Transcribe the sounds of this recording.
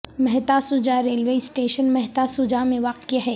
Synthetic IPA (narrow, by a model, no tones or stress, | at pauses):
mɛɦt̪asʊd͡ʒaɾeːlʋeisʈeːʃənmɛɦt̪asʊd͡ʒamẽʋaːqjaɦɛː